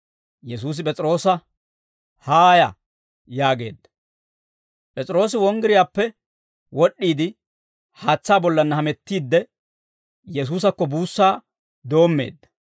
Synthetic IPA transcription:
jɛs̬uːs̬ɪpʼɛt͡sʼɪɾo̞ːsɐ | haːjɐ | jaːɡe̞̰ːd̪ːɐ̥ | pʼɛt͡sʼɪɾo̞ːs̬ɪwɔŋɡɪɾɪjaːpːɛ | wɔɗːiːd̪ɪ | haːt͡sːaːbɔlːɐnːɐhɐmɛt̪ːiːd̪ːɛ | jɛs̬uːs̬ɐkːɔbuːsːaː | d̪o̞ːmːe̞̰ːd̪ːɐ̥

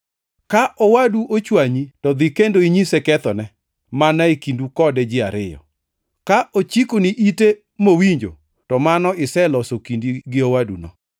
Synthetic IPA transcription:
kaʔɔwaduʔot͡ʃwaɲitɔd̪ɪkendoiɲisekɛt̪ɔnɛ | manaikindukɔdɛd͡ʒɪaɾɪjɔ̰ | kaʔot͡ʃikoniʔite | mowiɲd͡ʒo̰ | tɔmanɔɪsɛlɔsokindiɡɪowadṵnɔ̰

